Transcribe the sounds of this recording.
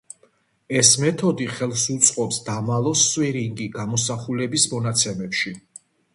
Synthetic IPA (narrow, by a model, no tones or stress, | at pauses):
ɛsmɛt̪ʰɔd̪iχɛlˠfsut̪sʼqʼɔpsd̪amalˠɔswiɾiŋɡiɡamɔsaχulɛbismɔnat̪sʰɛmɛpʃi